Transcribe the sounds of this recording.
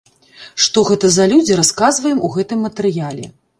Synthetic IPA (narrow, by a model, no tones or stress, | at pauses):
ʂt̪ɔɣɛt̪ɐzɐlʲud͡zʲiɾaskazvɐjɛmuɣɛt̪ɨmːɐt̪ɨɾɨjalʲɛ̰